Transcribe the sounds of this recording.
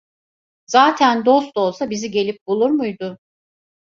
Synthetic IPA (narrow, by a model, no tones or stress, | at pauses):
zaːt̪ʰænd̪o̞st̪olˠsabiziɟe̞lʲip̚bulˠuɾmujd̪ʊ